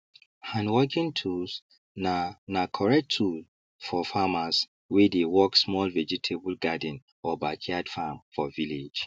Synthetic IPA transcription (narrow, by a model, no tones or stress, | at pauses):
hãnwɔɡĩntʰus | nanakʰɔɹɛk̚tʰːul | fɔfamas | wedewɔksmɔlvɛd͡ʒitʰebəlɡadə̃n | ɔbakʰiad̥famfɔviled͡ʒ